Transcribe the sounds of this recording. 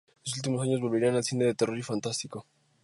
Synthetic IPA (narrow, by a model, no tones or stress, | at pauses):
los̬ult̪̬imo̞saɲoβo̞lβe̞ɾianalsθine̞ðet̪ero̞ɾifant̪ast̪iko̞